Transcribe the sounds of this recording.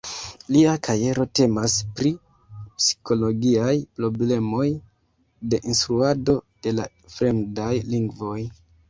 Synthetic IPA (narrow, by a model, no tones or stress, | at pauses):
liakʰaje̞ɾo̞te̞maspɾi | psi̥ko̞lo̞ɡiajpɾo̞ble̞mo̞j | de̞ʔinstɾuado̞d̥e̞la | fɾe̞mdajliŋɡvo̞j